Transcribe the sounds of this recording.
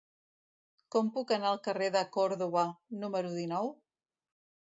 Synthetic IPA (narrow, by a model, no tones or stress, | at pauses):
kɔmpukənaəlˠkəreðəkɔɾðuβənuməɾuðinɔw